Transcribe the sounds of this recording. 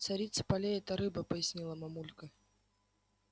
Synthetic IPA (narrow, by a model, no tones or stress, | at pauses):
t̪sɐɾʲit̪sɨ̥pɐlʲeɛt̪ɐɾɨbəpəjɪsʲnʲilˠəmɐmulʲkə